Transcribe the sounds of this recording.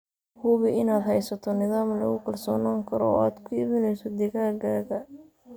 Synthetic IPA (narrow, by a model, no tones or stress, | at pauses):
hʊβɪɪnaːd̪hɛjsɐt̪ʰɔnɪðaːmlɐ̰ɣʊkʰɐlsɔːnaːŋkʰɐɾɔaːd̪kʰʊɪβɪnɛjsɔd̪ɪɣaːɡaːɣɐ